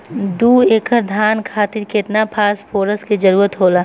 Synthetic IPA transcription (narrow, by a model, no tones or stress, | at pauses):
d̪uːeːkʰəɾd̪ʱaːnkʰaːt̪ɪɾkɪt̪napʰaːspʰoːɾəskid͡ʒɐɾuːɾət̪ɦoːlaː